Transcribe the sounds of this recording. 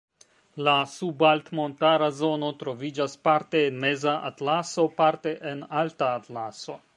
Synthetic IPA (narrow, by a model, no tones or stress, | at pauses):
lasubaltmo̞ntaɾazo̞no̞tɾo̞vid͡ʒaspaɾte̞ːnme̞zaʔa̰tlaso̞paɾte̞ʔenaltaːtlaso̞